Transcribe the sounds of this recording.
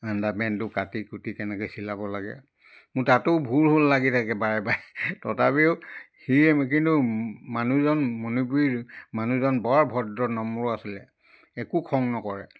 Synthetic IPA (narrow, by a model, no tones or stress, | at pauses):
andamɛntʊkatikutitɛnɛkojsilabɔlaɡɛ̰ | mʊtatʊbʱulɦolːaɡitʰakɛbaɹɛbajtɔtabiʊhiɛk̬intumanuzɔnmonupuɹimanuzɔnbaɹbʱɔdɔnɔmuɹɔasilɛ | ɛkukʰɔŋnɔkɔɹɛ